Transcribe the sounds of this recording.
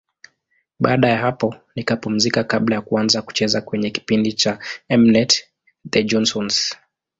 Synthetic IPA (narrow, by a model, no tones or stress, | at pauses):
ɓaːɗajaɦapɔnikapum̩zikakaɓlajakuanzaku̥t͡ʃɛzakwɛɲɛki̥pindit͡ʃaɛmnɛt | dɛd͡ʒɔnsɔns